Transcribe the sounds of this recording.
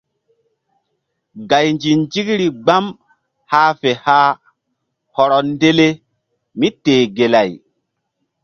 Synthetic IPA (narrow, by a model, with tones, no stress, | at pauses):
ɡa˨jnd͡ʒi˨nd͡ʒi˦kɾi˨ɡ͡ba˦m | haː˦fe˨haː˦ | hɔ˨ɾɔ˨nde˦le˦ | mi˦teː˨ɡe˨la˨j